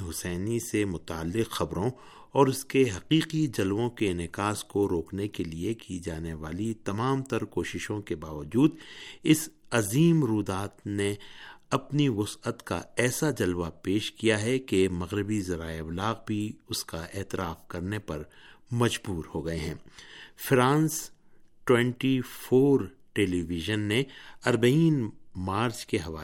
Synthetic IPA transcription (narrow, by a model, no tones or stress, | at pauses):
ɦʊsɛːnisemʊt̪aːlːɪqxɐbɾõ | ɔːɾʊskeɦɐqiːqid͡ʒɐlʋõkenɪkaːskoɾoːknekeliekid͡ʒaːneʋaːlit̪ɐmaːmt̪ɐɾkoːʃɪʃõkebaːʋəd͡ʒuːd̪ɪsɐziːmɾuːd̪aːt̪neɐpniʋʊsət̪ka̰ɛːsad͡ʒɐlʋapeːʃkijaɦɛkemɐɣɾɪbizɐɾaːeblaːɣbʱiʊskaʔeːt̪ɪɾaːfkɐɾnepɐɾmɐd͡ʒbuːɾhoːɡɐeɦɛ̰̃ːfɾãːns | ʈwɛ̃ɳʈifʰoːɾ | ʈeːliʋɪʒənːeɐɾbɐiːnmaːɾt͡ʃkeɦɐʋaː